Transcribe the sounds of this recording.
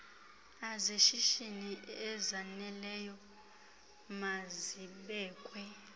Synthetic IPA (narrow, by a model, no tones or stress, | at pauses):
azeʃiʃiniɛzanɛlɛjɔ | maziɓɛːkʼwɛ